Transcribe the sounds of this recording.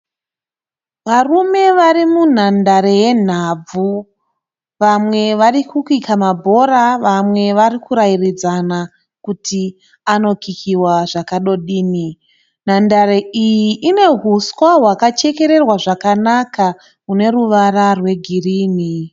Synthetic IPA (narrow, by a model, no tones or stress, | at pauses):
ʋarume̞ʋaɾimun̤andaɾe̞je̞n̤ab͡vu | ʋamwe̞ʋarikukuikʰamabʱo̞ɾaʋamwe̞ʋarikuɾajirid͡zana | kuti | ano̞kikʰiwaʐakaɗo̞ɗiːni | n̤andaɾe̞ijiʔine̞ɦuswaɦwakat͡ʃe̞ke̞ɾe̞rwaʐakanakʰa | kune̞ruʋararwe̞ɡʱiriːni